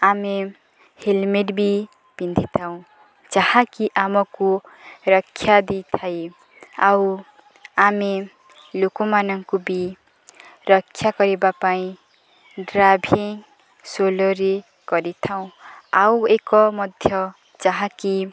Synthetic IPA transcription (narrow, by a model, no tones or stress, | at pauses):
ame | helmeʈbi | b̥ind̪ʱit̪ʰaw̃ | d͡zahãkiʔamʌkorʌkʰːjad̪it̪ʰaj | aw | ame | lokomanʌŋkobi | rʌkʰːjakʌɾebapaĩ | ɖrabʱiŋ | soloɾe | ɡ̥ʌɾit̪ʰaw̃awekʌmʌd̪ʱjʌ | d͡zaɦãki